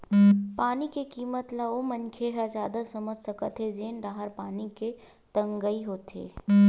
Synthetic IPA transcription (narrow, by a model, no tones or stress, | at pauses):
paːnikekiːmət̪laomɐ̃nkʰeɦɐzjaːd̪asɐməd͡ʒʱsɐkət̪ʰɦed͡ʒeːnɖaːɦəɾpaːnike | t̪ɐ̃ŋɡəiɦoːt̪ḛː